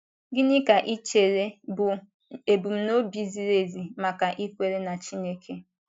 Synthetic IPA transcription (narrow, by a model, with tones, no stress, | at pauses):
ɡɪ˦nɪ˦ka˨ʔi˦t͡ʃe˨ɾe˦bʊ˨ | e˨bu˨m̩˦no˦bi˨zi˨ɾe˨zi˨ma˨ka˨ʔi˦kʷe˦ɾe˦na˨t͡ʃi˦ne˦kʰe˦